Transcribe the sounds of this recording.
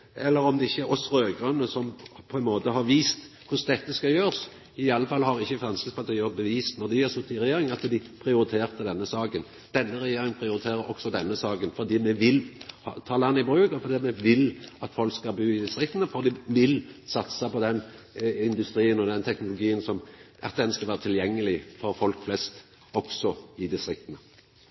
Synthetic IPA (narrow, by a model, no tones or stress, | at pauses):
ɛlːəɾɔmd̪ɛɪçːəɾɔsɾøːɡɾʉnːəsɔmpʰɔɛnmoːt̪əɦɑɾʋiːst̪ | kʰʊsd̪ɛt̪ːəskɑjøːʁəs | ɪɑlːəfɑlhɑɾɪçːəfɾɑnskəspʰɑt̪ʰiːəbəʋiːsnɔd̪ɪjæɾsʊt̪ːɪɾɛjeːɾɪŋɑt̪d̪ɪpʰɾɪʊɾɪt̪ʰeːɾt̪əd̪ɛnːəsɑːkən | d̪̥ɛnːəɾɛjeːɾɪŋənpʰɾɪʊɾɪt̪ʰeːɾəɾɔksɔd̪ɛnːəsɑːkənfɔʁd̪iːmɛʋɪlhɑt̪ʰɑːlɑnːɪbɾʉːkɔfɔʁd̪iːɑmɛʋɪlɑt̪fɔlkskɑlbʉːɪd̪ɪst̪ɾʁɪk̚t̪ənəfɔɾd̪ɪʋɪlsɑt̪səpɔd̪ɛn | ɪnd̪ʉst̪ɾiːənɔd̪ɛnt̪ʰɛknʊlʊɡiːənsɔm | ɛt̪ːɛnːəskɑlʋæːɾət̪ʰɪljɛŋːəlɪfɔɾfɔlkflɛst̪ | ɔksɔɪd̪ɪst̪ɾɪk̚t̪ənə